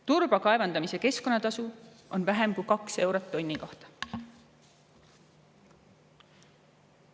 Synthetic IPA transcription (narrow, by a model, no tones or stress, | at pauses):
t̪urb̥ɑkɑevɑnd̪̥ɑmise̞ke̞sko̞nːɑt̪ɑsu | ʔo̞nvæɦemkujkɑkse̞wɾɑt̪ːo̞nʲːiko̞ht̪ɑ̥